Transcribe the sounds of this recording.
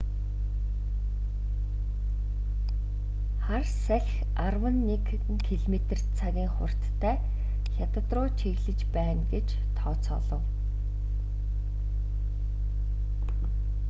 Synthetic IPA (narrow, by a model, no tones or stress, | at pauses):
χarsæɮʲx | arwə̆nːek | ŋkʰiɮmet̪̆r̥t͡sʰaɣʲiːŋχʊ̰r̥t̪ʰːæː | xʲat̪ə̆t̪rʊːt͡ɕʰeɣɮɘ̆t͡ɕpæːnɡet͡ɕ | t̪ʰɔːt͡sʰɔ̰ɮɞ̰̆w